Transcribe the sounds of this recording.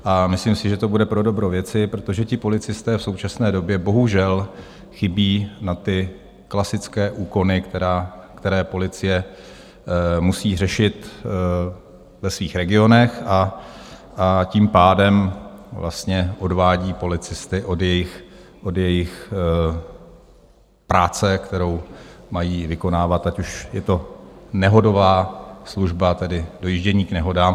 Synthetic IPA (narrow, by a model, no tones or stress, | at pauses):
ʔamɪslimsɪʒɛt̪o̞budɛpɾo̞do̞bɾovjɛt͡sɪpɾo̞t̪o̞ʒɛcɪpo̞lɪt͡sɪst̪ɛːfso̞wt͡ʃasnɛːdo̞bjɛbo̞ɦuʒɛl | xɪbiːnat̪ɪ | klasɪt͡skɛːʔuːko̞nɪkt̪ɛɾaːkt̪ɛɾɛːpo̞lɪt͡sɪjɛ | musiːr̝ɛʃɪt̪ | vɛsviːxɾɛɡɪo̞nɛxʔa | ʔaciːmpaːdɛmvlʔa̰st̪ɲɛʔo̞dvaːɟiːpo̞lɪt͡sɪst̪ɪʔo̞djɛjɪxʔo̞djɛjɪx | pɾaːt͡sɛkt̪ɛɾo̞wmajiːvɪko̞naːvat̪acuʃjɛt̪o̞nɛɦo̞do̞vaːsluʒbat̪ɛdɪdo̞jiʒɟɛɲiːknɛɦo̞daːm